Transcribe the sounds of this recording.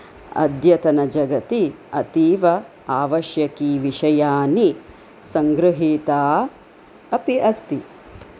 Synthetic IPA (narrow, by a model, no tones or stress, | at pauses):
ɐ̰d̪jɐt̪ɐnɐd͡ʒɐɡɐt̪i | ɐt̪iːʋɐ | aːʋɐʃjɐkiːʋiʂɐjaːni | sɐŋɡɾɨɦiːt̪aː | ɐpiʔɐst̪i